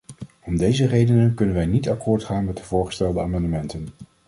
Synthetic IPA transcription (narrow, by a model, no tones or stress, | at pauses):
ɔmdejzərejdənənkɵnənʋɛjnitakʰʊːɹtχaːnmɛt̚dəvʊːɹχə̥stɛlˠdəaːmɑndəmɛntən